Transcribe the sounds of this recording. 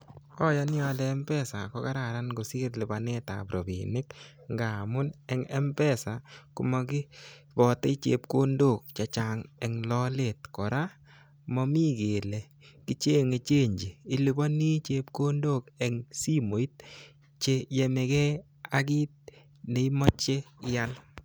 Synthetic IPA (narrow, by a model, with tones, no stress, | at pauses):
ɔ˦ja˧˦nɪ˦ɔ˨a˨dɛː˨˦mpɛ˦sa˨kɔ˦ka˦ɾa˨ɾa˦nɡo˨si˦ɾli˨ba˨nɛ˦ta̰˨pɾo˨bḭ˨nɪ˦k | ŋɡa˨mʊ˦nɛ˨ŋɛ˦mpɛ˦˨sa˨kʊ˨mɔ˧kɪ˦bɔ˨te˦i˦t͡ʃḛ˨p̚ko˦ndo˦˨k̚t͡ʃa˨t͡ʃa˨ŋɛ˨ŋlɔ˦le˨tkɔ˨ɾa˦ | mɔ˦mi˦ɡe˨le˨ | ki˦t͡ʃe˦ŋe˨t͡ʃe˦ɲd͡ʒiː˨˦li˨bɔ˦ni˦t͡ʃe˦p̚ko˦ndo˦˨kɛ˨ŋsi˦mo˨i˦t̚ | t͡ʃe˦je˨me˨kɛ˦ | a˦ɡi˦t̚ | ne˨i˦mɔ˦t͡ʃe˦ɪ˦ja˦l